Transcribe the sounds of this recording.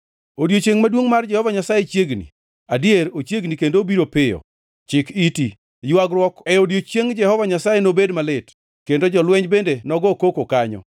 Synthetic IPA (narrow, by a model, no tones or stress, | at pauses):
odjot͡ʃeŋmadwoŋmard͡ʒɛhɔvaɲasajet͡ʃjeɡnḭ | adieɾot͡ʃjeɡnikendobiɾopɪjɔ̰ | t͡ʃɪkiti | jwaɡɾwɔkɛodjot͡ʃeŋd͡ʒɛhɔvaɲasajenobedmalɪt | kendod͡ʒɔlwɛɲbendenɔɡɔkokokaɲɔ̰